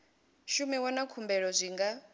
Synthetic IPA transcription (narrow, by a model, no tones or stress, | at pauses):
ʃumɛwanakʰumbɛɺɔzʷiŋɡa